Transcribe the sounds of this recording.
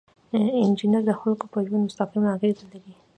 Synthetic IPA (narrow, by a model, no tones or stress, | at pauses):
ɪnd͡ʒinjaɾd̪əxalkopəʒwand̪mʊst̪aqimaaɣezlaɾi